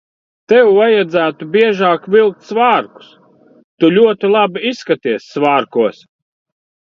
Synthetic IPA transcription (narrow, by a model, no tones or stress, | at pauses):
t̪ɛwvajad̪zæːt̪ubʲiɛʒaːkvʲilˠk̚t̪svaːɾku̥s | t̪ulʲuɔt̪ilˠabiisːkat̪iɛsːvaːɾkuɔs